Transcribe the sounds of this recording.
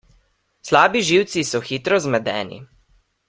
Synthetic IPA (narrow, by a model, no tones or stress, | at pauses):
slaːbiʒiwt̪sisɔxiːt̪ɾɔzmɛd̪ɛ̰ːnḭ